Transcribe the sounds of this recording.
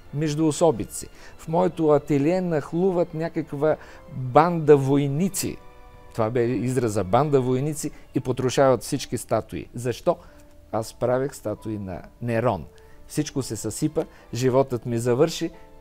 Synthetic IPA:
mɛʒd̪ʊːsɔbit̪sḭfmɔɛt̪ʊɐt̪ɛliɛnɐxlˠuvət̪nʲakəkvə | band̪ɐvojnit̪sḭ | t̪ovabɛizɾɐzɐband̪ɐvojnit̪siːpot̪ɾʊʃavət̪fsit͡ʃkist̪at̪ʊḭzɐʃt̪ɔ | aspɾavixst̪at̪ʊinɐ̰nɛɾɔn | fsit͡ʃkosɛsɐsipə | ʒivɔt̪ət̪mizɐvɤɾʃi

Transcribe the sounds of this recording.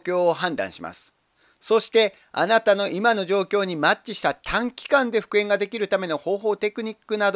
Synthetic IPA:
kʲo̞ːɦãnd̪ã̰ɰ̃ɕima̰sɨ̥ | so̞ɕi̥t̪e̞ | a̰nat̪ano̞ʔimano̞ʑo̞ːkʲo̞ːɲ̟imatt͡ɕt͡ɕːiɕi̥t̪at̪ʰãŋkʲi̥kãnd̪e̞ɸɯ̟̥kɯẽ̞ŋɡad̪e̞kʲiɾɯ̟t̪ame̞no̞ho̞ːɦo̞ːt̪e̞kɯ̟ɲ̟ikːɯ̟nad̪

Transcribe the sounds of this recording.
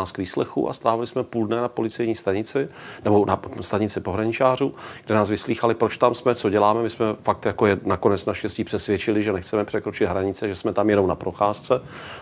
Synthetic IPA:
aːskviːslɛxṵʔa̰st̪ɾaːvɪlɪsmɛpuldnɛnapo̞lɪt͡sɛjɲiːst̪aɲɪt͡sɪnɛbo̞nast̪aɲɪt͡sɪpo̞ɦɾaɲɪt͡ʃaːr̝uːɡdɛnaːs̬vɪsliːxalɪpɾot͡ʃt̪amsmɛt͡soɟɛlaːmɛmɪsmɛfak̚t̪jakojɛnako̞nɛt͡snaʃcɛsciːpr̥ɛsvjɛt͡ʃɪlɪʒɛnɛxt͡sɛmɛpr̥ɛkɾot͡ʃɪd̪ɦɾaɲɪt͡sɛʒɛsmɛt̪amjɛnomnapɾo̞xaːst͡sɛ

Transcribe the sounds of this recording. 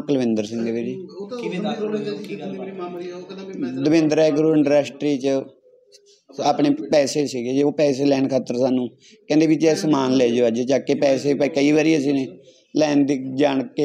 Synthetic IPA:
kələʋɪ̃nd̪əɾsɪ̃ŋɡʋeɾiː | d̪əʋɪ̃nd̪əɾɛːɡəɾuːɪɳɖɾɛːsʈɾiːt͡ʃ | aːpɳeːpɛːseːsiːɡeːd͡ʒeːoːpɛːseːlɛːɳkʰaːt̪ːəɾsaːnũː | kɛ̃ːnd̪eːʋit͡ʃɛːsəmaːnlɛːd͡ʒoːəd͡ʒt͡ʃaːkːeːpɛːseːpkəiːʋaːɾiːəs̬iːneː | lɛːnd̪iːd͡ʒaːɳkːe

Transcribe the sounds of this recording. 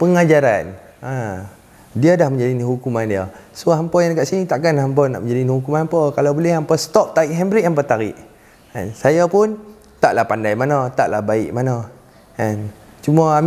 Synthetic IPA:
pəŋad͡ʒaɾan | a | diadahmə̃ɲd͡ʒadiniɦukumandiasoɦampɔjankaʔsinit̪aʔkanɦamp̬ɔna̰ʔməɲd͡ʒadinihukumanampɔkalawbolɛhampəst̪ɔp̚t̪aiʔɦɛmbɾiʔamp̬ət̪aɾɪ̰ʔ | a̰nsajapʊn | t̪aʔlahpandajmanat̪aʔlahbaɪʔmana | ant͡ʃumaam

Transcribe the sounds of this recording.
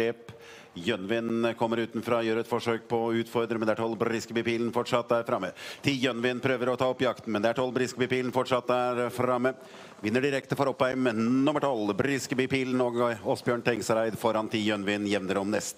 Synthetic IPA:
eːp | jœnʋɪnkʰɔmːəɾʉːt̪n̩fɾɑjøːɾət̪fɔʂøːk̚pʰɔʉːt̪fɔɾd̪ɾəmɛnd̪ɛæʈʰɔlbɾɪskəbɪpiːln̩fɔʈʂɑt̪ːəæːɾfɾɑmːət̪ʰɪjœnʋɪnpʰɾøːʋəɾɔt̪ʰɑːɔpːjɑkt̪n̩mɛnd̪ɛæʈʰɔlːbɾɪskəbipiːln̩fɔʈʂɑt̪ːəæɾfɾɑmːə | ʋɪnːəɖɪɾɛkt̪əfɔɾɔpːæɪmnʊməʈʰɔlbɾɪskəbɪpiːlnɔːɡɔsbjøːɳʈ̪ʰɛŋsəɾæɪd̪fɔɾɑnt̪ʰɪjœnʋɪnjɛʋnəɾɔmnɛst̪

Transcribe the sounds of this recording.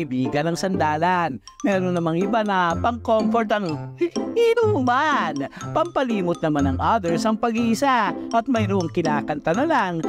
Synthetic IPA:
ɪbiːɡɐnɐŋsɐnd̪aːlanmɛɾonːɐmaŋɪbanɐpɐŋkomfoɾt̪ɐn | inumanpɐmpɐliːmʊt̪̚nɐmanɐŋʔad̪ɛɹsɐŋpɐɡiʔɪsaʔɐt̪̚mɐjɾʊʔoŋkɪnaːkɐnt̪ɐnɐlaŋ

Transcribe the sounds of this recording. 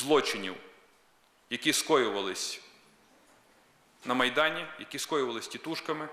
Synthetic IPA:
zlˠɔt͡ʃɪnʲiw | jɐkʲiskɔjʊʋɐlˠɪsʲ | nɐmɐjd̪ɑnʲijɐkʲiskɔjʊʋɐlˠɪsʲtʲit̪uʃkɐmɪ

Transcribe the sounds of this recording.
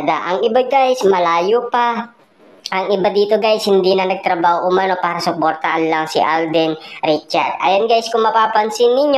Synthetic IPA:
d̪aʔɐŋɪbaɡajsmɐlaːjopa | ʔɐŋɪbad̪iːt̪o̞ɡajshɪnd̪inɐnɐɡ̚t̪ɾɐbaːhoʔʊmɐno̞paːɾɐsʊpo̞ɾt̪ɐʔɐlːaŋsɪ̰ʔald̪ɛnɾɪt͡ʃɐɾd̪ʔa̰ːjonɡajskʊŋmɐpaːpɐnsɪnːɪɲo

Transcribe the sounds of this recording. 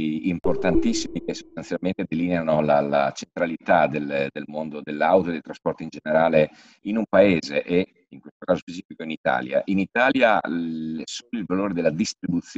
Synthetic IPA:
import̪ant̪isːimikeso̥st̪ansjalment̪ed̪elineanolala̰t͡ʃent̪ɾalit̪ad̪eld̪elmond̪od̪elːawt̪od̪elt̪ɾaspɔrt̪ind͡ʒeneɾaːle | inumpaeːzeʔe | iŋkwest̪okaːzospet͡ʃiːfikoinit̪a̰ːlja̰ʔinit̪aːlja | soːnoilvaloːɾed̪elːad̪ist̪ɾibut̪sj

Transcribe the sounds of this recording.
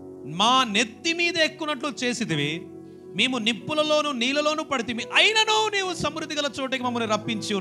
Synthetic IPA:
maːnet̪ːimiːd̪ɐekːunɐʈlut͡ʃe̞ːsit̪iʋi | meːmunipːulɐlo̞ːnuniːlɐlo̞ːnuːpɐɽit̪̬imiʔɐjnɐnuːniːwusɐmɾud̪ːiɡɐlɐt͡ʃoːʈɐk̬imɐmːɐniɾɐpːiɲt͡ʃi

